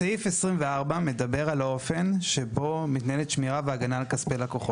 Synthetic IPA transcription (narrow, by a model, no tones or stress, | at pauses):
saifesʁimveaʁbame̞d̪abe̞ʁalo̞fe̞nʃe̞bo̞mit̪naelet̪ʃmiʁaveaɡanalkaspelako̞χo